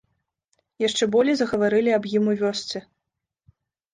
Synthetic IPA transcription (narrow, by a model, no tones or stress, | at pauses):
jaʂt͡ʂɛbɔlʲijzɐɣɐvaɾɨlʲiɐbjimuvʲɔst̪sɨ